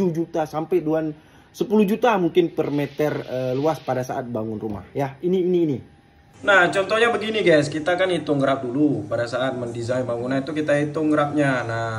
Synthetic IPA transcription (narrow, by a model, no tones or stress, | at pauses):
ud͡ʒut̪asampajduan | səpulud͡ʒut̪amuŋkɪnpərmɛt̪ərəluaspadasa̰ʔat̪̚baŋʊnruma̰hjainiːniːni | naht͡ʃɔnt̪ɔhɲabəɡiniɡajs̬kit̪akanit̪ʊŋɡəɾap̚dulupadasaːt̪̚məndizainbaŋunait̪ukit̪ait̪ʊŋɡəɾap̚ɲana